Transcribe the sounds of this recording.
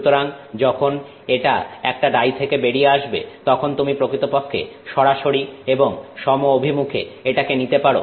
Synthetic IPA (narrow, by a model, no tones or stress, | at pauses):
ut̪oɾaŋd͡ʑɔkʰon | eʈa̰ɛk̚ʈaɖajt̪ʰekebeɽijeaʃbḛt̪ɔkʰont̪umipɾokɾit̪opokʰːḛʃɔɽaʃoɾieboŋʃɔmoobʱimukʰḛeʈakenit̪epaɽo̰